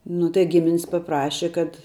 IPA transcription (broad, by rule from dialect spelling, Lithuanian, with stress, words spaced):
ˈnʊ tɐɪ ˈɡʲɪmʲɪnʲɪs pɐˈprɑːʃʲɛ kɐt